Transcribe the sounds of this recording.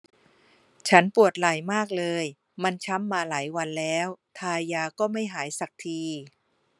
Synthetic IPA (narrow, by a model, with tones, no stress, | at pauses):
t͡ɕʰa˦˥npu˨˩ət̪̚la˨˩˦jmaː˥˩k̚lɤː˧j | ma˧nt͡ɕʰa˦˥mːaː˧laː˩˦jwa˧nlɛː˦˥wt̪ʰaː˧jaː˧kɔː˥˩ma˥˩jɦaː˩˦jsa˨˩k̚t̪ʰiː˧